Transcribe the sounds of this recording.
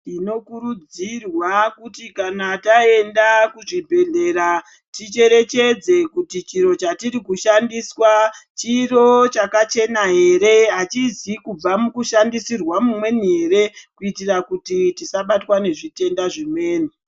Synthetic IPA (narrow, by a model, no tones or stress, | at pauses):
tino̞kuɾud͡zirwakutikanatae̞ndakuʐibʱe̞ɮe̞ɾa | tit͡ʃe̞ɾe̞t͡ʃe̞d͡ze̞kutit͡ʃiɾo̞t͡ʃatiɾikuʃandiswat͡ʃiro̞t͡ʃakat͡ʃe̞naɦe̞ɾe̞ɦat͡ʃizikub͡vamukuʃandisirwamumwe̞niɦe̞ɾe̞kuitirakutitisaɓatwane̞ʐite̞ndaʐimwe̞ːni